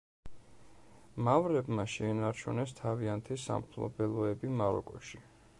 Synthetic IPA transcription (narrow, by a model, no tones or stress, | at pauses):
mavɾɛbmaʃɛːnaɾt͡ʃʰunɛst̪ʰaviant̪ʰisa̰mpʰlˠɔ̰bɛlˠɔɛbimaɾɔ̰kʼɔʃi